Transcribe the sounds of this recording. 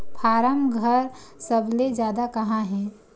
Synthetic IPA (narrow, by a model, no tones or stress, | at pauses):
pʰaːɾəmɡʱɐɾsɐbled͡ʒjaːd̪akɐɦãɦɛ̃ː